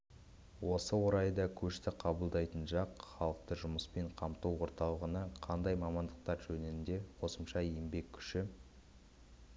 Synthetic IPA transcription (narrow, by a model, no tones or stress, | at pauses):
wo̞səwo̞ɾɑjd̪ɑkʲʰɵʃt̪ɪqʰɑbəlˠd̪ɑjt̪ənʒɑqχɑlˠəq̚t̪əʒʊməspe̞ɴqʰɑmt̪uwwo̞ɾt̪ɑlˠəʁənɑqʰɑnd̪ɑjmɑmɑnd̪əq̚t̪ɑɾʒɵnenɪnd̪e̞qʰo̞səmʃɑjembe̞kʲʰːʏ̥ʃɪ